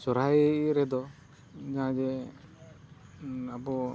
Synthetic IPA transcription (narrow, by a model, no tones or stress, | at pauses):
sɔɾajɾɛd̪ɔ | d͡ʒaɦãd͡ʒɛ | abɔ